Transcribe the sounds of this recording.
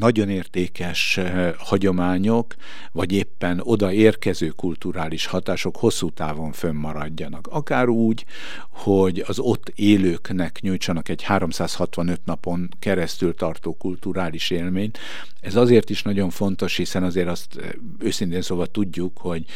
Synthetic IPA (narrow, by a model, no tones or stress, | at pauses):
nɒɟo̞neːrt̪eːkɛʃhɒɟo̞maːɲo̞k | ʋɒɟeːpːɛno̞d̪ɒeːrkɛzøːkult̪uɾaːliʃhɒt̪aːʃo̞kho̞sːuːt̪aːvo̞ɱfømːɒɾɒɟːɒnɒkɒkaːɾuːɟ | ho̞ɟɒzo̞t̪ːeːløːknɛkɲuːjt͡ʃɒnɒkɛɟhaːɾo̞msaːshɒt̪ʋɒnø̞t̪nɒpo̞ŋ | kɛɾɛst̪ylt̪ɒrt̪oːkult̪uɾaːliʃeːlmeːɲt̪ | ɛzɒzeːrt̪iʃnɒɟo̞ɱfo̞nt̪o̞ʃhisɛnɒzeːɾɒst̪ | øːsint̪eːnsoːbɒt̪uɟːukho̞ɟ